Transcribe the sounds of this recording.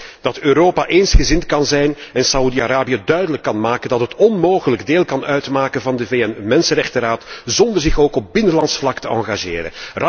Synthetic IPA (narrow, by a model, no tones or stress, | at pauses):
d̥ɑtøːɾoːpaʔeːnsxəzɪntkɑnzɛjnɛnsaudiaɾaːbijədœɥdələkːɑnmaːkəndɑtɦətɔnmoːɣələɡdeːlˠkɑnœɥtmaːkənvɑndəveɛnmɛnsənɾɛxtəɾaːtzɔndərzɪxoːkɔp̚bɪnəlɑntsflɑktəɑŋɣaʒeːɾə̰nr